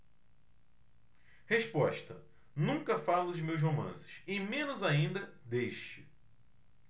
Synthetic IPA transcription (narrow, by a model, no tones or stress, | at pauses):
heʃpɔʃt̪ɐ | nũŋkɐfalʊd͡ʒɪmews̬ɦomɐ̰̃sɪ̥ʃɪmẽnʊzaĩnd̪ɐ | d̪eʃt͡ʃɪ